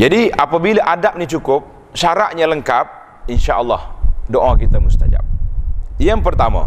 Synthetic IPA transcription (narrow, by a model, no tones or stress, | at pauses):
d͡ʒadiapabilaʔadap̚nit͡ʃukʊp̚ | ʃaɾaʔɲaləŋkap̚ | inʃaʔəlːɑhdoʔakit̪amust̪a̰d͡ʒa̰p̚ijaŋpərt̪ama̰